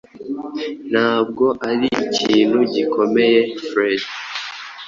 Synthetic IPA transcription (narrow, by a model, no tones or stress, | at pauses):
n̥haːb̚ɡo̞ʔaɾiḭciiːn̥huɟiko̞me̞je̞fɾed